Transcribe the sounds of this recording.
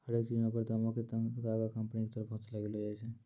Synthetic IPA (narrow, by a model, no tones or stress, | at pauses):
əɽek̚t͡ʃiãpəɾt̪ːmãket̪t̪aɡakəmpniket̪əɾəfpɦũt͡ʃlaɡelod͡ʒat͡ʃʰɛ